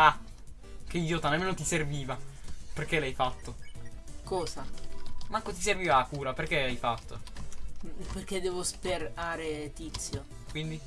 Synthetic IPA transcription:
a | k̟eoːt̪anameːnot̪iserviːvaperkelajfat̪ːokɔːzamakːot̪iserviːvaakuːɾaperk̟elajfat̪ʰːo̰ | perk̟ed̪ːɛːvospeɾaːɾet̪it̪sːjo | kwind̪i

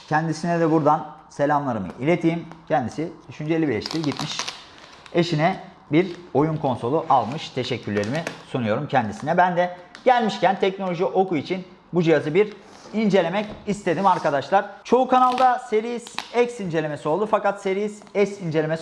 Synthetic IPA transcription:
cʰɛnd̪isinɛd̪ɛbuɾd̪anse̞lʲamlˠaɾɯmɯ̰ʔilʲe̞t̪ʰiːimcʰɛnd̪isid̪̥yʃynd͡ʒe̞lʲibiɾlʲɛʃt̪ʰʲiɾɟit̪miʃ | e̞ʃinɛ | biɾo̞junkʰo̞nso̞lˠuʔalˠmɯʃt̪ʰe̞ʃɛcʰːylːʲe̞ɾimisunujo̞ɾumcʰɛnd̪isinɛbænd̪ɛɟ̥ælʲmiʃcænt̪ʰɛcnolʲo̞ʒiʔo̞kuit͡ʃʰin | bud͡ʒijazɯbiɾ | ind͡ʒe̞lʲe̞mɛcist̪ʰe̞d̪imaɾkad̪aʃlˠaɾ̥t͡ʃʰo̞ukʰanalˠd̪aseɾiz̥ɛksind͡ʒe̞lʲe̞me̞sio̞lˠd̪ufakat̪se̞ɾijizɛcsind͡ʒe̞lʲemes

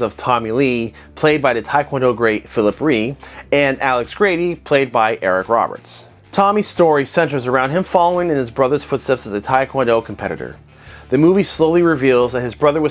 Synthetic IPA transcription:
ʌv̥tʰɑmili | pʰl̥eɪd̚baɪðɨtʰaɪkʰwɑ̃ndoʊɡɹeɪtfɪlˠəpɹiɨ̃nælˠəksɡ̥ɹeɪɾipʰl̥eɪd̚baɪʔɛɹɨkɹɑ̰bə̰˞ts | tʰɑmi̥stɔɹisɛ̃ntə˞zə˞ãʊ̃nd̚ɨ̃ɱfɑlˠoʊɪ̃ŋɨ̃nɨzbɹʌðə˞z̥fʊtstɛpsɨzɨtʰaɪkʰw̥ɑ̃ndoʊkʰm̩pʰɛɾɨ̰ɾə̰˞ | ðɨmuvisloʊlˠiɹɨvilˠzðɨt̚hɨzbɹʌðə˞wʌ

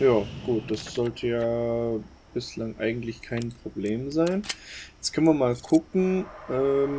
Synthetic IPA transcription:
jaːɡ̥uːt̚d̥asz̥ɔltʰəjaː | b̥ɪslaŋʔa̰ɪɡŋ̩tlɪçkʰaɪnpʁ̥obleːmzaɪnjɛt͡skʰœnviɐmaːlkʰʊkŋ̩ʔɛːm

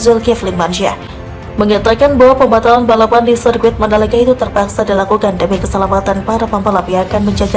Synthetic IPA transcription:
zɛlkɛflɪŋmanuʃia̰ | məŋat̪akanbaɦwapəmbat̪alanbalapandisərɡuɪt̪̚mənaləkait̪ut̪ərpaksadilakukandabikəsəlamat̪anpaɾapampalapiakanməɲd͡ʒad͡ʒa

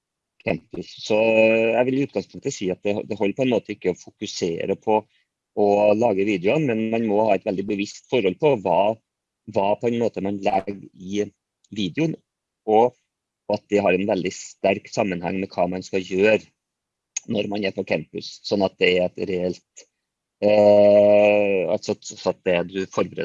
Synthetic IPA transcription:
kʰæmpʉsːɔjæɪʋɪljʊʉːt̪ɡ̥ɑŋspʰʊŋk̚t̪əsiːɑt̪̚d̪ɛd̪ɛɦɔlːɾpʰɔɛnmoːt̪ʰəɪkːəɔfʊkʉsḛːɾəpʰɔ | ɔlɑːɡəʋiːd̪ɛʊənmɛnmɑnmɔhɑːɛt̪ʋɛld̪ɪbəʋɪst̪fɔɾhɔlpʰɔʋɑː | ʋɑːpʰɔɛnmoːt̪əmɑnlɛɡɪ | ʋiːd̪ɛʊn | ɔ | ɑt̪̚d̪ɛɦɑɾɛnʋɛld̪ɪst̪æɾksɑmːənhɑ̰ŋːmɛkʰɑːmɑnskɑljøːɾ | nɔɾmɑnæɾpʰɔkʰæmpʉssɔnːɑt̪̚d̪ɛɾɛt̪ɾɛɛlt̪ | ɑ̰lt̪sɔsɔɑt̪̚d̪ɛd̪ʉfɔɾbəɾḛː

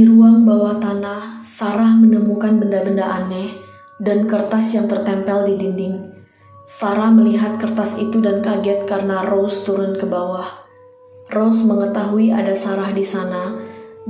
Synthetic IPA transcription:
iɾuaŋbawaht̪anahsaɾahmənəmukanbəndabəndaʔanɛh | dankərt̪asjaŋt̪ərt̪ɛmpɛldidindɪŋ | saɾahməliɦat̪̚kərt̪asit̪udankaɡɛt̪̚kaɾənarost̪uɾʊnkəbawah | rosməŋət̪aɦuiʔa̰dasaɾahdisana

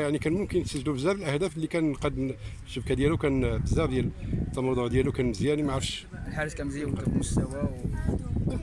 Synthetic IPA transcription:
jaʕnikænmʊmkənt̪səʒlubəzːæbəlʔəhd̪æflːikænqɑd̪ːm | ʃəbkæd̪jælukænbəzːæbd̪jælt̪ˤːɑmɑd̪ˤoʕd̪jælukænməzjænimaʕɾəfʃlħaɾəskænmzjæwk̪mʊst̪æwæw

